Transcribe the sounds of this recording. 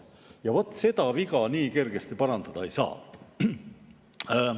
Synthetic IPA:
jɑvo̞t̪ːˑse̞d̪ɑviɡɑniːke̞rɡ̥est̪ipɑɾɑnd̪̥ɑd̪̥ɑejsɑ̰ː

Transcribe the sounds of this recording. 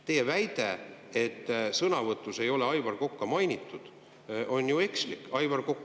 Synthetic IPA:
t̪e̞jevæjd̪̥ee̞t̪ːsɤnɑvɤt̪ːˑuse̞jo̞leɑjvɑrko̞kːɑmɑjnʲit̪ˑːud̪̥ | ʔo̞nʲjue̞kslikːˑɑjvɑrkokːˑ

